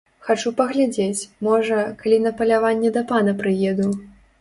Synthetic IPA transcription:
xat͡ʂupɐɣlʲad͡zʲet͡sʲmɔʐɐkalʲinɐpɐlʲavanʲːɛd̪ɐpanɐpɾɨjɛd̪uw

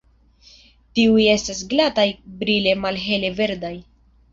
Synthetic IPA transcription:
tiuje̞stas̬ɡlatajbɾile̞malɦe̞le̞ve̞ɾdaj

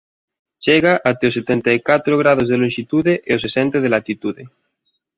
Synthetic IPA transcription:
t͡ʃeɣaʔat̪eoset̪ent̪aikat̪ɾoɣ̞ɾað̞ozðelonʃit̪uðeʔeosesent̪eð̞elat̪it̪uðe

